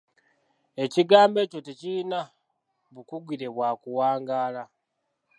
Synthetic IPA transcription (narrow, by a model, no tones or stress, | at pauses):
e̞ciɡaːmbe̞ːco̞tecilina | βukuɡiɾe̞βwaːkuwaːŋɡaːla